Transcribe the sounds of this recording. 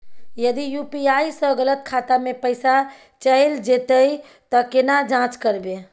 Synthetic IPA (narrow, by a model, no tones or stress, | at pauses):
jəd̪ijupiajsə̃ɡələt̪̚kʰat̪amepəɪsa | t͡ʃəeld͡ʒet̪əj | t̪ɔkenad͡ʒãt͡ʃkəɾbe